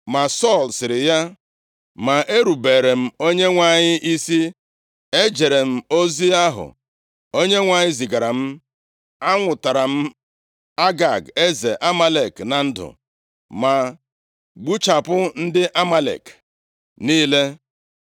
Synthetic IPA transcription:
ma˨sɔ˦˨lsɪ˨ɾɪ˨ja˦ | ma˨e˦ɾu˨be˨ɾe˨m̩˦o˦ɲe˦ŋʷa˨ɲɪ˦ʔi˦si˦ | e˦d͡ʒe˨ɾe˨m̩˦o˦zi˦a˦ɦʊ̰˨ | o˦ɲe˦ŋʷa˨ɲɪ˦zi˨ɡa˨ɾa˨m̩˦ | a˦ŋʷʊ˨ta˨ɾa˨m̩˦ | a˦ɡa˨ɡe˦ze˨ʔa˦ma˦le˨kna˨n̩˦dʊ̰˨ | ma˨ | ɡ͡bu˦t͡ʃa˨pʊ˦n̩˦dɪ˦ʔa˦ma˦lḛ˨k | niː˦le˦

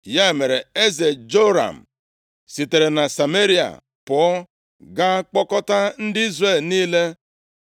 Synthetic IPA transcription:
ja˦e˨me˨ɾe˨e˦ze˨d͡ʒo˦ɾa̰˨m̩˨ | si˨te˨ɾe˨na˨sa˨me˦ɾi˦a̰˨ | pʊ˨ɔ˦ | ɡa˦k͡pɔ˦kɔ˦ta˦n̩˦dɪ˦i˦zre˦˨lniː˦le˦

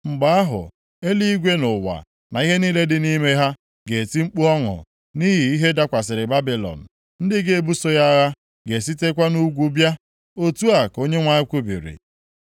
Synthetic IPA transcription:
ŋ͡m̩˨ɡ͡ba˨˦a˦ɦʊ̰˨ | e˦li˦i˦ɡʷe˦nʊ˨wa̰˨ | na˨i˦ɦe˦niː˦le˦dɪ˨ni˦me˦ɦa˦ | ɡe˨ti˦ŋ͡m̩˦k͡pu˦ɔ˦ŋʊ̰˨ | ni˦ɦi˨i˦ɦe˦da˦kʷa˨s̬ɪ˨ɾɪ˨ba˦bi˨lɔ̰˨n̩˨ | n̩˦dɪ˦ɡe˦e˦bu˦so˦ja˦ɣa˦ | ɡe˨si˦te˦k̬ʷa˦nu˦ɡʷu˦bja˦ | o˦tu˦a˨ko˦ɲe˦ŋʷa˦ɪ˦kʷu˦bḭ˨ɾḭ˨

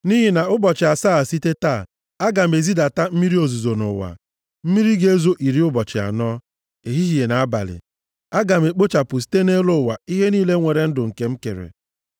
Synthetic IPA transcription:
ni˦ɦi˨na˨ʊ˦bɔ˨t͡ʃɪ˨a˨saː˦a˨si˦te˦taː˦˨ | a˦ɡa˨me˨zi˦da˨ta˦m̩˦mi˦ɾi˦o˨zu˨zo˨nʊ̰˨wa̰˨ | m̩˦mi˦ɾi˦ɡe˦e˦zo˦ʔi˨ɾi˦ʊ˦bɔ˨t͡ʃɪ˨a̰˨nɔː˦ | e˨ɦi˦ɦi˨e˨na˨a˦ba̰˨lɪ̰˨ | a˦ɡa˨m̩˨e˨k͡po˦t͡ʃa˨pʊ˨s̬i̥˦te˦ne˦lo˦˨wa˨i˦ɦe˦niː˦le˦ŋʷe˨ɾe˨n̩˦dʊ˨ŋ̩˨ke˨m̩˦kḛ˨ɾḛ˨

